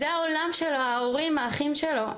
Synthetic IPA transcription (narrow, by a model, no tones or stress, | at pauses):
zeaolamʃeloaoʁimaːχimʃelo̞